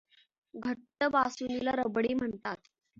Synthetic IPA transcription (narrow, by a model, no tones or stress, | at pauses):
ɡʱəʈːəbasunilaɾəbɽiːm̤əɳt̪at̪